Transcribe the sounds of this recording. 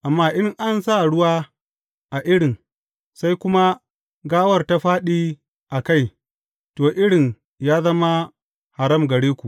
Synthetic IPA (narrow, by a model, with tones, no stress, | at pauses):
ʔa˨mːaː˦ʔɪ˦ŋʔa˦nsa˦˨ɽʊ˦waː˦ | ʔa˨ʔɪ˦ɽɪ˨ŋ | sa˦jkʷʊ˦ma˦ | ɡaː˦wɐ˦rta˦ɸaː˦ɗiː˦ | ʔa˨ka˦˨j | toː˨ʔɪ˦ɽɪ˨ŋ | jaː˦zɐ˦ma˦ | ha˨ɾɐ˦˨mɡɐ˨ɽeː˦kʷu˨ʔ